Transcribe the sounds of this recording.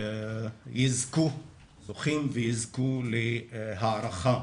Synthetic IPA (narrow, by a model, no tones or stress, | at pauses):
jizku | oχimvejizkuleɦaːɾaχa